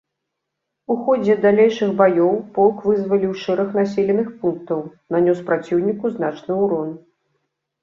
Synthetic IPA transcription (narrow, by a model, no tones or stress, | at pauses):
uxɔd͡zʲɛd̪alʲejʂɨxbajɔwpɔlˠkvɨzvɐlʲiwʂɛɾɐxnasʲɛlʲɛnɨxpunkt̪ɐwnanʲɔspɾat͡sʲiwnʲikuznat͡ʂnɨuɾɔn